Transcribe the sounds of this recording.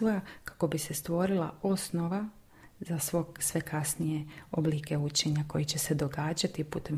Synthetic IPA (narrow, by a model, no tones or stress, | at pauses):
ojakḁko̞bise̞st̪ʋo̞ɾilˠa̰o̞sno̞ʋa | zasʋo̞ɡsʋe̞kasnijeoblikeut͡ɕe̞ɲako̞jit͡ɕe̞se̞d̪o̞ɡaːd͡ʑat̪iput̪em